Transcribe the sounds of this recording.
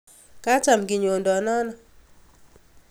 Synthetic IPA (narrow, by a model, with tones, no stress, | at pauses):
ka˦t͡ʃa˨mɡɪ˨ɲo˨ndɔ˨nɔ˦nɔ˨